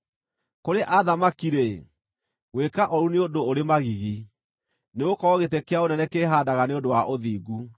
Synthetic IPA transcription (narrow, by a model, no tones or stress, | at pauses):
koɾeʔaðamakiɾe | wekaʔɔɾuneodooɾemaɣiɣi | neɣokɔɣetekeaonɛnɛkeːɦaːdaɣaneondowaʔoðiːɡu